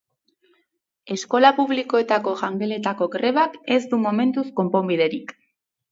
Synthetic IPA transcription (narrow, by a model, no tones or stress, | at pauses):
e̞sko̞lapuβ̞liko̞e̞t̪ako̞ʝaŋɡele̞t̪ako̞ɡɾe̞βake̞zd̪umo̞me̞nt̪usko̞mpo̞mbiðe̞ɾik